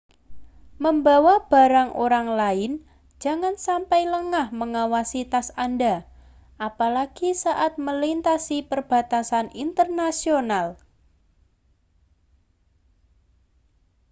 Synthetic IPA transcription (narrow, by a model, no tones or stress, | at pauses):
məmbawab̥a̤ɾaŋʔo̰ɾaŋlaɪn̥ | d͡ʒ̥a̤ŋansampajləŋahməŋawasit̪asanda | ʔapalaɡ̥isaʔat̪̚məlint̪asipərb̥a̤t̪asanint̪ərnasional